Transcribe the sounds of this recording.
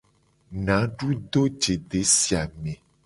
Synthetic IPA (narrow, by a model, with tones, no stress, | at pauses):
nã˨˦ɖu˦ɖ̪o˦d͡ʒe˨ɖe˨˦si˨˦a˨mẽ˨